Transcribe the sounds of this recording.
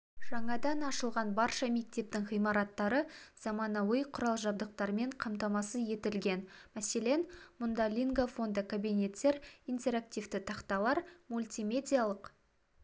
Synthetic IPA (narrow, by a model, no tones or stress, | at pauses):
ʒ̥ɑɴɑd̪ɑnɑʃəlˠʁɑnbɑɾʃɑme̞k̚t̪e̞p̚t̪ɪŋʁijmɑɾɑt̪ːɑɾəz̥ɑmɑnɑwəjqʰʊɾɑlˠʒɑbd̪əq̚t̪ɑɾme̞ɴqʰɑmt̪ɑmɑsəje̞t̪ɪlɡʲe̞nmæse̞le̞nmʊnd̪ɑlʲiŋɡafo̞nd̪əkʰabinʲe̞t̪ːe̞ɾijnt̪e̞ɾak̚t̪ʲivt̪ɪt̪ʰɑqt̪ɑlˠɑɾmulʲt̪ʲimʲe̞d̪ʲijalˠəq